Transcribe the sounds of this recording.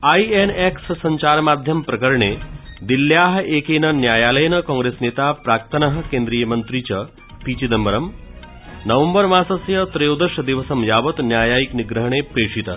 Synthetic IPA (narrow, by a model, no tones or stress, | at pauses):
aienekssɐɲt͡ʃaːɾmaːd̪ʱjɐmpɾɐkɐɾɳeːd̪iljaːɦeːkeːnɐnjaːjaːlɐjnɐkɔ̃ːŋɡɾeːsneːt̪apɾaːkt̪ɐnɐɦə̆kẽːnd̪ɾijɐmɐnt̪ɾit͡ɕɐ | piːt͡ʃid̪ɐmbɐɾɐm | nɐʋɐmbəɾmãːsɐsjɐt̪ɾejod̪ɐʃɐd̪iʋɐsɐmjaːʋɐt̪njaːjaːjikniɡɾəɦɳ̃epɾeːʂit̪ə